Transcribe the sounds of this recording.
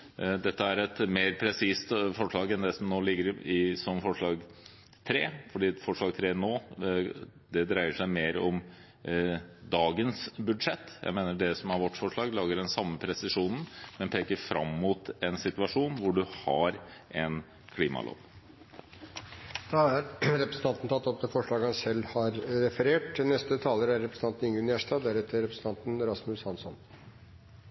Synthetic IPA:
d̪ɛt̪ːəæɾɛt̪meːɾpʰɾɛsiːst̪fɔʂɭɑːɡɛnd̪ɛsɔmnoːlɪɡːəɾɪsɔmfɔʂɭɑːɡ | t̪ʰɾeːfɔɖiːfɔʂɭɑːɡ̚t̪ʰɾeːnoː | d̪ɛd̪ɾæɪəʂæɪmeːɾɔm | d̪ɑːɡənsbʉd̪ʂɛt̪ːjæ̰ɪmeːnəɖɛsɔmæɾʋɔʈːfɔʂɭɑːɡlɑːɡəɖɛnsɑmːəpʰɾɛsɪʂuːnən̩mɛnpʰeːkəɾfɾʔɑmːuːt̪ɛnsɪt̪ʋɑʂuːnʋʊɖʉhɑɾʔɛn | kʰliːmɑ̰lʔo̰ːʋ | d̪̥ɑːæɾɾɛpɾəsn̩t̪ɑnt̪n̩t̪ʰɑt̪ːɔp̚t̪ɛfɔʂɭɑːɡəhɑnsɛlːhɑɾɾɛfəɾeːʈnɛst̪ət̪ʰɑːləɾæɾːɛpɾsn̩t̪ɑnt̪n̩ʏŋənjæʂʈ̪ɑːd̪æɾɛt̪ːəɾɛpɾəsən̩t̪ʰɑnt̪n̩ɾɑsmʉshɑnsɔn

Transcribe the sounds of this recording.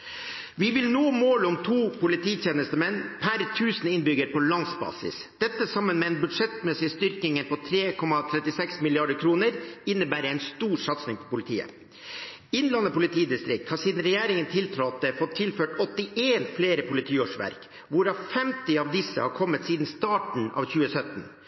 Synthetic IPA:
ʋɪʋɪlnoːmoːlɔmt̪ʰuːpʊlɪt̪ʰiːt̪eːnəst̪əmɛnːpʰæɾt̪ʰʉːsənɪnbʏɡəɾpɔlɑnsbɑ̰ːsɪ̰s | d̪̥ɛt̪ːəsɑmːənmɛːɛnbʉd̪ʂɛt̪mɛsɪst̪ʏɾkɪŋəpɔt̪ʰɾeːkʰɔmɑt̪ʰɾɛt̪ɪsɛksmɪlɪɑɖəkʰɾuːnəɾɪnːəbæːɾəɛɪnst̪uːɾsɑt̪snɪŋpʰɔpʊlɪt̪ʰḭːə̰ | ɪnlɑnəpʊlɪt̪ʰiːd̪ɪst̪ɾɪk̚t̪hɑɾsiːd̪n̩ɾɛjæːɾɪŋənt̪ʰɪlt̪ʰɾɔɑt̪̚d̪ɛfɔt̪ʰːɪlføːʈɔt̪ːɪʔeːnfleːɾəpʊlɪt̪ʰiːoːʂʋæ̰ɾk | ʋʊɾɑʋfɛmt̪ɪɑʋd̪ɪsːə̰hɑːɾkʰɔmːət̪siːd̪n̩st̪ɑːʈɳ̩ɑ̰ːʋçʉːəsœt̪n̩

